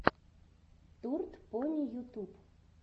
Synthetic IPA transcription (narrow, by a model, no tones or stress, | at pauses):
t̪urt̪ponʲijut̪up